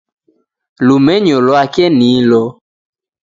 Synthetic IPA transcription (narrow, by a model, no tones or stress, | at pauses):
lumɛɲɔlɔakɛnilɔ